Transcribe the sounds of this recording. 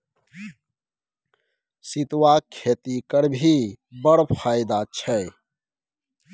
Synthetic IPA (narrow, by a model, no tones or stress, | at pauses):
sit̪wakʰet̪ikəɾbʱibəɽpʰaɪd̪at͡ʃʰɛ